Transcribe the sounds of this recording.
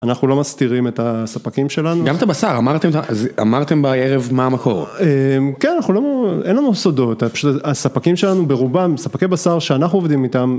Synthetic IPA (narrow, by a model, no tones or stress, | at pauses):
anaχnulo̞mast̪iʁime̞tasapakimʃe̞lanuɡamet̪abasaʁamaʁt̪emetaazamaʁt̪embaeʁevmaːmako̞̰ʁemkenanaχuloʔenlanusod̪o̞t̪apaʃut̪aasapakimʃe̞lanube̞ʁubamsapakebasaʁʃeanaχnuo̞vd̪imit̪am